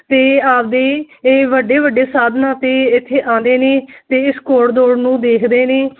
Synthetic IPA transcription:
t̪eːaːp̚d̪eː | eːʋəɖːeːʋəɖeːsaːd̪ʱnãːt̪eːɪt̪ʰːeːʔãːnd̪eːneːt̪eːɪskoːɽd̪oːɽnũːd̪eːkʰd̪eːneː

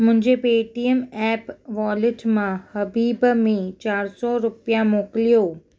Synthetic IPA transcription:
mʊ̃ɦɪ̃ɲd͡ʑepeːʈiəmɛːpʋɔːlɪʈmãhɐbiːbmẽt͡ɕaːɾsɔɾʊpjãmoːklijoː

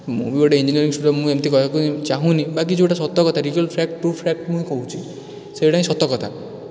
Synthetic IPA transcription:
mṵbiɔʈeind͡ʒiniɔɾiŋsuɾɔmũemt̪ikɔtakut͡ʃaɦũnibak̬id͡ʒʰoeʈasɔt̪ːɔkɔt̪ʰaɾikɔlpʰɾɛkʈpɾupʰɾɛk̚ʈmũɦĩkoɦũt͡ʃʰi | sejʈaĩsɔt̪ːɔkɔt̪ʰa

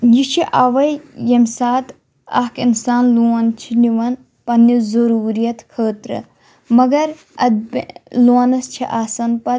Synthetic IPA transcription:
jit͡ʃʰiʔaːʋɐjjɐmʲsaːt̪ | ɐ̰kinsaːnluɐnt͡ʃʰiniʋɐn | pɐnːizɐɾuːɾijɐt̪kʰəːt̪ɾɨ̰ | mɐɡɐɾ | ɐ̰d̪bluɐnɐst͡ʃʰiʔaːsɐnpɐ

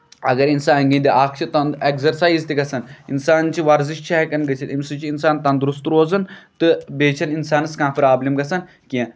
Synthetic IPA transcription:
ɐ̰ɡɐɾinsaːnɡĩnd̪iʔaːkʰt͡ʃʰit̪ɐnekzɐɾsaːizt̪iɡɐsɐninsaːnt͡ʃiʋɐɾziʃt͡ʃʰaɦɛkɐnɡɐt͡sʰit̪imʲsɨt͡ʃiːnsaːnt̪ɐnd̪ɾust̪ɾoːzɐnt̪ɨbeːt͡ʃʰɐninsaːnɨskãːpiɾaːblimɡɐsɐn | kʲĩ

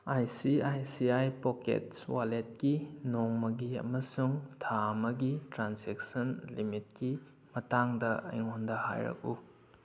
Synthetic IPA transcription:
ajsiajsiajpokḛtswalet̚kinoŋmɐɡiɐ̰mɐsuŋtʰamɐɡitɾansek̚sɐnlimit̚ki | mɐtaŋdɐʔɐ̰jŋondɐha̰jɾɐ̰k̚ṵ

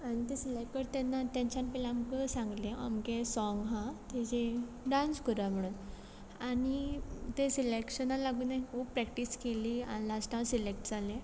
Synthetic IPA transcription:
aɽ̃it̪esilek̚ʈəɾt̪anːat̪ãɲt͡ɕanpɛlamkəsãŋɡlẽamkesɔŋɡɦãt̪ed͡ʑe | ɖãnskəɾam̤əɽ̃uːn | aɽit̪esilekɕənalaɡuːnaikʰuːppɾɛk̚ʈiskeliːa̰lasʈãsilekʈd͡zʱalẽ

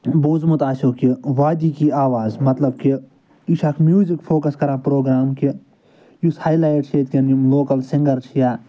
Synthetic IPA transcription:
boːzmut̪aːsoːkiʋaːd̪iːkiaːʋaːzmɐt̪lɐb̚ki | iʃɐkʰmjuːzikfʰoːkɐskɐɾãːpɾoːɡɾaːmki | jushaːjlaːjʈʃeːt̪kɐnimloːkɐlsɪ̃ŋɡɐɾt͡ʃʰjaː

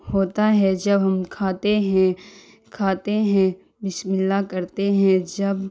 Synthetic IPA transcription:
hoːt̪aɦɛd͡ʒɐbɦɐmkʰaːt̪eɦɛ̃ | kʰaːt̪eɦɛ̃ | bɪsmɪlːakɐɾt̪eɦɛ̃d͡ʒɐb

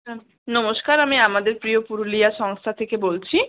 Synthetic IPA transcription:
nɔmoʃkaɾamiamad̪eɾpɾijopuɾuliaʃɔŋst̪ʰat̪ʰekebolt͡ɕʰi

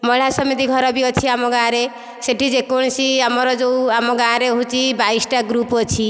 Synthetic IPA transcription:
mɔɭ̤asɔmit̪̬iɡʱɔɾɔbiʌt͡ʃʰiamɔɡãɾe | seʈʰid͡ʒekoɽ̃siamɔɾɔd͡ʒowamɔɡãɾeɦũt͡ʃibaisʈaɡɾupɔt͡ʃʰi

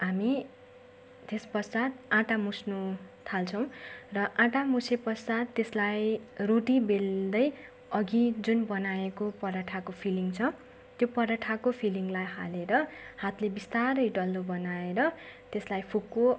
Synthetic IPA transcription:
ɦami | t̪espʌsad̪ãʈamusnut̪ʰalt͡sʰʌw̃rʌʔãʈamusepʌsad̪̚ːeslajroʈibeld̪ʌj | ʌɡid͡zunbʌnaekopʌɾaʈʰakopʰiliŋt͡sʰʌ | t̪jopʌɾaʈʰakopʰiliŋɡlajha̰leɾʌhat̪lebist̪aɾʌjɖʌlːobʌnaeɾʌt̪eslajpʰukːo

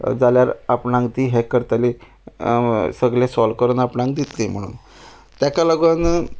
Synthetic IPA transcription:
d͡zaljaɾapnãŋkt̪iːɦekəɾt̪ali | səɡɭesɔlkəɾuːnapnãŋk̚d̪it̪lem̤əɽṵːn | t̪jakaləɡʋən

